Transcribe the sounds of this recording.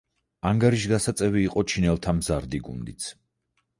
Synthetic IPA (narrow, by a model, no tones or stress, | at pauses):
aŋɡaɾiʃɡasat̪sʼɛviːqʼɔt͡ʃʰinɛlˠt̪ʰamzaɾd̪iɡṵnd̪it̪sʰ